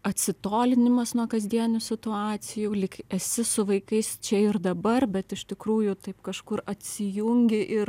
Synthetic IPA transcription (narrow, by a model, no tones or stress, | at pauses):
ɐt̪ʲsʲɪt̪oːlʲɪnʲɪmɐsnuɔkɐzʲd̪ʲiɛnʲʊsʲɪt̪ʊɑːt͡s̪ʲɪjuːlʲɪkɛsʲɪsʊʋɐɪkɐɪst͡ʃʲɛɪɾd̪ɐbɐrbʲɛt̪ɪʃt̪ʲɪkɾuːjʊt̪ɐɪpkɐʃkʊrɐt̪ʲsʲɪjʊŋʲɡʲɪʔɪr